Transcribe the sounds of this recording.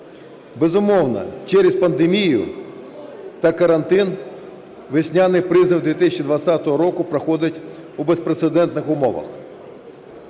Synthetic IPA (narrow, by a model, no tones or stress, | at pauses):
bezʊmɔwnɐ̰t͡ʃɛɾespɐnd̪emʲijʊ̰ | t̪ɐkɐɾɐnt̪ɪn | ʋɪsʲnʲanɪjpɾɪzɪwd̪ʋʲit̪ɪsʲt͡ʃid̪ʋɐt̪sʲat̪ɔɦɔɾɔkʊpɾɐxɔd̪ʲɐtʲ | ubespɾet̪sed̪ɛnt̪nɪxʊmɔʋɐ̰x